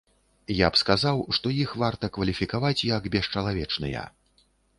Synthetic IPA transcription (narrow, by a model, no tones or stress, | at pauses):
japskazawʂt̪ɔjixvart̪ɐkvɐlʲifʲikavat͡sʲjɐɡbʲɛʂt͡ʂalˠavʲɛt͡ʂnɨ̰jɐ̰